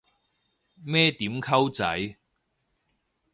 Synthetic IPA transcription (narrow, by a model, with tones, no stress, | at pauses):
mɛː˥t̪iː˨˥mkʰɐ˥wt͡sɐ̰˨˥j